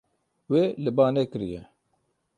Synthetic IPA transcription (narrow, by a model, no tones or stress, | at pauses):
weːlɪbaːneːkɨɾḭjɛ